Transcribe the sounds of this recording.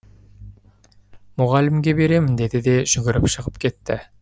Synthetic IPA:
mʊʁɑlɪmɡʲebe̞ɾe̞mɪnd̪e̞d̪ɪd̪e̞ʒ̥ʏɡʲɪɾɪpʃəʁəpkʲʰe̞t̪ːɪ̰

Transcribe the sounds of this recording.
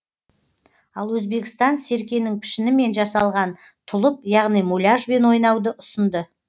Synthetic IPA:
ɑlˠwɵzbe̞kʲɪ̥st̪ɑnse̞ɾkʲe̞nɪŋpʰɪ̥ʃɪnɪme̞nʒɑsɑlˠʁɑn | t̪ʰʊlˠəp̚jɑʁnijmulʲaʒbe̞nwo̞jnɑwd̪əʔʊsənd̪ə

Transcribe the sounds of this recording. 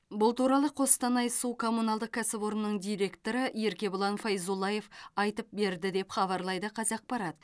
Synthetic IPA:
bʊlˠt̪uɾɑlˠəqʰo̞st̪ɑnɑjsukʰo̞munɑlˠd̪əq̚kʲʰæsɪpwo̞ɾnənəɴd̪ijɾe̞kt̪o̞ɾəje̞ɾkʲe̞bʊlˠɑnfɑjzulˠɑje̞fɑjt̪əp̚be̞ɾd̪ɪd̪e̞pχɑβɑɾlˠɑjd̪əqʰɑzɑq̚pɑɾɑt̪̚

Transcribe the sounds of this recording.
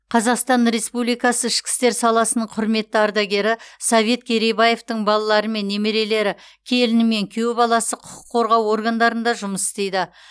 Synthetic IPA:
qʰɑzɑqst̪ɑnɾe̞spublijkɑsəɪʃkʲɪ̥st̪e̞ɾsɑlˠɑsənəɴqʰʊɾme̞t̪ːɪɑɾd̪ɑɡʲe̞ɾɪsɑve̞t̪̚kʲʰeɾebɑje̞ft̪əɴbɑlˠɑlˠɑɾəme̞nːe̞me̞ɾe̞le̞ɾɪ | kʲʰe̞lɪnɪme̞ŋkʲʰe̞wbɑlˠɑsəqʰʊqʰʊ̥qʰːo̞ɾʁɑwo̞ɾɡand̪ɑɾənd̪ɑʒʊməsɪ̥st̪e̞jd̪ɪ

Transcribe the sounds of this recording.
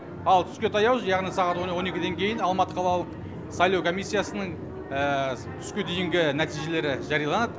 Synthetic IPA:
ɑlˠt̪ʰʏ̥skʲe̞t̪ʰɑjɑwʒjɑʁnijsɑʁɑt̪wonwo̞ne̞kʲɪd̪e̞ŋkʲʰe̞jɪnɑlˠmɑt̪ə̥qʰɑlˠɑlˠəq | sɑjlˠɑwkʰo̞mijsʲːijasənəɴ | ə | t̪ʰʏ̥skʲe̞d̪ejɪŋɡʲɪnæt̪ijʒe̞le̞ɾɪʒɑɾijɑlˠɑnɑd̪ə

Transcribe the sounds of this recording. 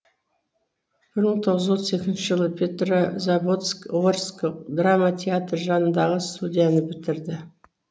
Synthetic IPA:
b̥ɪɾməɴt̪ʰo̞ʁəzo̞t̪se̞kʲɪnʃɪʒəlˠəpʲʰet̪rozabot̪skorskod̪ramat̪ʲʰeat̪rʒɑnənd̪ɑʁəst̪ud̪ʲijanəbɪt̪ɪɾd̪ɪ

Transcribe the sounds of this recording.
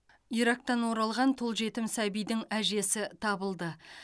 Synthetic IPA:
iɾɑk̚t̪ɑnwo̞ɾɑlˠʁɑnt̪ʰolˠʒe̞t̪ɪmsæbijd̪ɪŋæʒe̞sɪt̪ʰɑbəlˠd̪ə

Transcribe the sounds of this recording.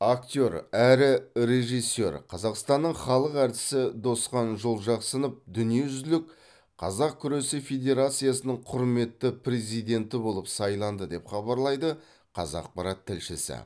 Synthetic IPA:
ak̚t̪ʲo̞ɾæɾɪɾe̞ʒijsːe̞ɾqʰɑzɑqst̪ɑnːəɴχɑlˠəqæɾt̪ɪ̥sɪd̪o̞sqɑnʒolˠʒɑqsənəp̚d̪ʏnije̞ʒʏzd̪ɪlɪk̚ | qʰɑzɑq̚kʲʰʏɾe̞sɪfʲe̞d̪ʲe̞ɾat̪sɨjasənəɴqʰʊɾme̞t̪ːɪpɾezijd̪e̞nt̪ɪbo̞lˠəpsɑjlˠɑnd̪əd̪e̞pχɑbɑɾlˠɑjd̪ə | qʰɑzɑ̰q̚pɑɾɑt̪ʰːɪlʃɪsɪ̰

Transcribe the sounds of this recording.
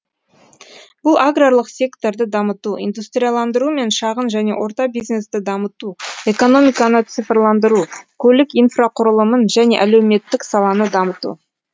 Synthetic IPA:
b̥ʊlˠʔaɡralˠəqsʲe̞kt̪o̞ɾd̪əd̪ɑmət̪uḭnd̪ust̪ɾʲijalˠɑnd̪əɾume̞nʃɑʁənʒæne̞̰wʔo̞ɾt̪ɑbijzne̞st̪ɪd̪ɑmət̪ue̞ko̞no̞mijkɑnət̪sɨfrlˠɑnd̪əɾukʲʰɵlɪkijnfraqʰʊɾəlˠəmənʒæne̞̰ʔælewme̞t̪ːɪksɑlˠɑnəd̪ɑmət̪ṵ

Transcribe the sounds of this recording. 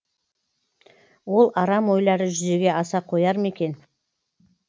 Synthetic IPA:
wo̞lˠɑɾɑmwo̞jlˠɑɾəʒʏze̞ɡʲe̞ʔɑsɑqʰo̞jɑɾme̞kʲe̞n

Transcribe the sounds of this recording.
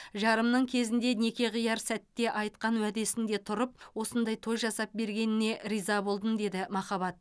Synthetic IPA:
ʒɑɾəmnəɴkʲʰe̞zɪnd̪e̞ne̞kʲe̞ʁijɑɾsæt̪ːe̞ʔɑjt̪qɑnwæd̪e̞sɪnd̪e̞t̪ʰʊɾəp̚wo̞sənd̪ɑjt̪ʰo̞jʒɑsɑp̚be̞ɾɡʲe̞nɪne̞ʔɾijzɑbo̞lˠd̪ənd̪e̞d̪ɪmɑχɑbɑt̪̚

